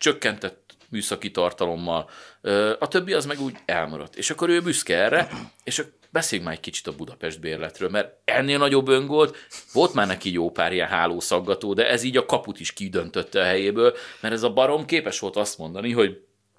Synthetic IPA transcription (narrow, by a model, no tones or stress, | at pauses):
t͡ʃø̞kːɛnt̪ɛt̪myːsɒkit̪ɒrt̪ɒlo̞mːɒløːɒt̪ø̞bːiɒzmɛɡuːɟɛlmɒ̰ɾɒ̰t̪ːḛːʃɒkːo̞ɾøːbyskɛɛrːɛeːʃɒk | bɛseːlyŋkmaːɾɛc̚kit͡ʃi̥t̪ɒbud̪ɒpɛʒd̪̚beːrlɛt̪ɾøːlmɛɾɛnːeːlnɒɟo̞bːøŋɡʋo̞lt̪ʋo̞lt̪maːrnɛkijoːpaːɾiɛnɦa̰ːloːsɒɡːɒt̪oːd̪ɛʔɛziːɟɒkɒput̪iʃkid̪ø̞nt̪øt̪ːɛɒɦɛjeːbøːlmɛɾɛzɒbɒɾo̞mkeːpɛʃʋo̞lt̪ɒst̪mo̞nd̪ɒniɦo̞ɟ